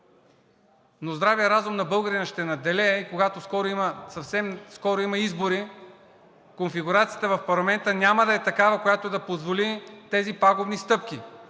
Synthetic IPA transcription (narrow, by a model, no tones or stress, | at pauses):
nozd̪ɾavijəɾazʊmnɐbɤlˠɡəɾinɐʃt̪ɛnɐd̪ɛlʲɛikoɡat̪oskɔɾoimɐsɐfsɛmskɔɾoimɐizboɾi | konfiɡuɾat̪sijət̪əvɐfpɐɾlˠɐmɛnt̪ənʲaməd̪ɐɛt̪ɐkavɐkojat̪oɛd̪ɐpozvolit̪ɛzipaɡovnist̪ɤp̚k̟i